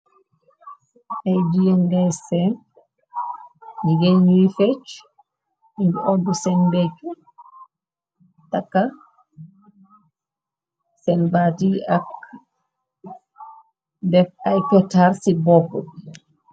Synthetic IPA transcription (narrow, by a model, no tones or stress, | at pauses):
ajd͡ʒijɛnɡasɛn | ɲiɡeɲuifɛt͡ʃ | iɲd͡ʒuɔndusɛnbet͡ʃːu | takːa | sɛnbatiak | dɛfajkɔtːaɾsibɔkːɔ